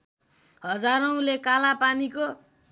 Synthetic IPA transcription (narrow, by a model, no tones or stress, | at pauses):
ɦʌd͡zaɾʌũlekalapaniko